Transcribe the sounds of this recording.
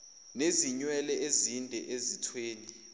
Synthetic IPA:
neziɲwɛlɛezindʱɛ̰ʔezitʰweːni

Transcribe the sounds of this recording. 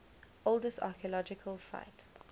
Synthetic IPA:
ʔolˠdəsta̰kiəlɔd͡ʒɪkʰəlˠsa̰ɪt

